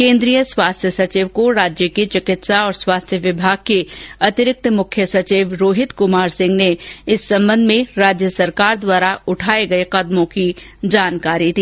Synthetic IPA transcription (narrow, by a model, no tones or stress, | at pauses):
kẽːnd̪ɾijəswaːst̪ʰjəsɐt͡ʃiːʋkoɾaːd͡ʒjəket͡ʃɪkɪt̪saɔːɾswaːst̪ʰjəʋɪbʱaːɡ̚keɐt̪ɪɾɪk̚t̪mʊkʰjəsɐt͡ʃiːʋɾoːɦɪt̪kʊmaːɾsɪ̃ŋɡneɪsːɐ̃mbə̃nd̪ʱmẽɾaːd͡ʒjəsɐɾkaːɾd̪waːɾaʊʈʰaːeɡɐeqɐd̪mõki | d͡ʒaːnkaːɾit̪ʰiː